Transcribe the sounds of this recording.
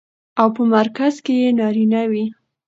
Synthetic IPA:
awpəmaɾkazkejenɑɾinawi

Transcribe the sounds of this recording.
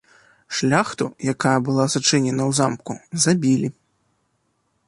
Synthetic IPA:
ʂlʲaxt̪ujakajɐbɨlˠazat͡ʂɨnʲɛnɐwzamkuzabʲilʲi

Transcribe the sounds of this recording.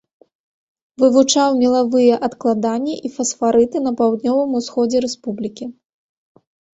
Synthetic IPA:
vɨvut͡ʂawmʲilˠavɨjɛʔɐt̪klˠad̪anʲːiʔifɐsfaɾɨt̪ɨnɐpawd̪nʲɔvɨmusxɔd͡zʲɛɾɛspublʲikʲi

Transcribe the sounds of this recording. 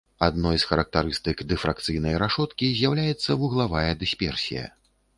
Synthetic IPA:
ad̪nɔjsxɐɾɐk̚t̪aɾɨst̪ɨkd̪ɛfɾak̚t̪sɨjnɐjɾaʂɔt̪kʲizʲjawlʲajɛt̪sːɐvuɣlˠavajɐd̪ɨsʲpʲɛrsʲḭjɐ̰

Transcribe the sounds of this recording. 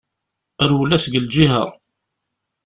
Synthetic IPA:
əɾwəlːæsɡəld͡ʒiɦə̰ʁ

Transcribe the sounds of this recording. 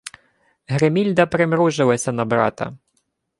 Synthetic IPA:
ɦɾemʲilʲd̪ɐpɾɪmɾuʒɪlˠɐsʲɐnɐbɾɑ̰t̪ɐ̰

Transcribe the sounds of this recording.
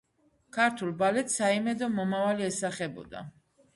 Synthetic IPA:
kʰaɾt̪ʰulˠbalɛt̪saimɛd̪ɔmɔmavaliɛsaχɛbɔ̰d̪a̰

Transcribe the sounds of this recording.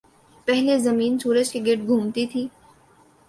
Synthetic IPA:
pɛɦlezɐmiːnsuːɾəd͡ʒkiɡeʈ̚ɡʱũːmt̪it̪ʰiː

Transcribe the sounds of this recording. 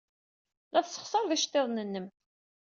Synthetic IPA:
læθsːə̥χsəɾˤðiʃt̪ːeðˤnənːəm

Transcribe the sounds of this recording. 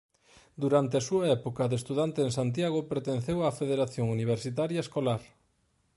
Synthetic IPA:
d̪uɾant̪ɪasuɐɛpokɐðest̪uðant̪eeŋsant̪̬jaɣopeɾt̪en̟θewafeðeɾaθjoŋuniβ̞eɾsit̪aɾjɐeskolaɾ

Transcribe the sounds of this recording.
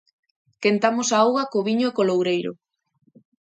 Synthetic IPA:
kent̪amosaawɣakoβiɲoekolowɾejɾo̰

